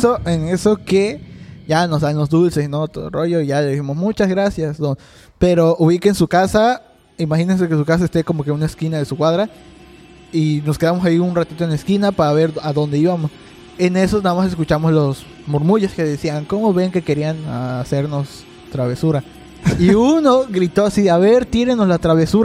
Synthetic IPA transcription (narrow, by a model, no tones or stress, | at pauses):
soʔene̞so̞ke̞ʝano̞zðanlo̞zðulse̞snot̪oðo̰ro̞ʝoiʝaleðisimo̞smut͡ʃazɣɾasjasno | pe̞ɾo̞ʔuβikeːnsukasa | imaxinens̬e̞kes̬ukas̬ae̞st̪e̞ko̞mo̞ke̞unaeskinaðe̞sukwaðɾa | ino̞skeamo̞s̬aiunrat̪it̪oenlaeskinapaaβe̞ɾaðo̞nd̪e̞iβamo̞s | e̞ne̞sonaðamases̬kut͡ʃamo̞zlos | moɾmuʝeske̞ðesiaŋko̞mo̞βe̞ŋke̞ke̞ɾianase̞ɾno̞s | t̪ɾaβe̞suɾa | iuno̞ɣɾit̪o̞asiaβe̞ɾt̪iɾeno̞zlat̪ɾaβe̞suɾa